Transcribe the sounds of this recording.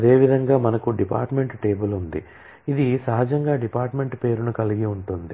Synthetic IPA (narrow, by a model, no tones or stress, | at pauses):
ɐd̪e̞ːʋid̪ʱɐŋɡaːmɐnɐkuɖipa̰ːɾʈme̞ɳʈʈe̞ːbulund̪ḭ | id̪isɐɦɐd͡ʒɐŋɡaːɖipaːɾʈme̞ɳʈpe̞ːɾunukɐliɡiuɳʈund̪i